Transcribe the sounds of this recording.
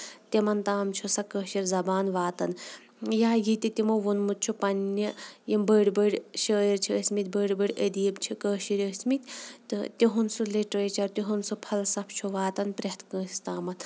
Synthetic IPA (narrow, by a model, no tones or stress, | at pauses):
t̪imɐnt̪aːmt͡ʃʰusɐkəːʃiɾʲzɐbaːnʋaːt̪ɐn | jaːjit̪it̪imoʋunmut̪̚t͡ʃʰupɐnːɐjimbəːɽbəɽʲʃəːjiɾt͡ʃʰiəsʲmit̪̚ʲbəːɽbəɽʲəd̪iːbt͡ʃʰikəːʃiɾəsʲmit̪ʲt̪ɨt̪iɦunsuleʈɾeːt͡ʃɐɾt̪iɦunsupʰɐlsɐpʰt͡ʃʰuʋaːt̪ɐnpɾeht̪kə̃ːsit̪aːmɐt̪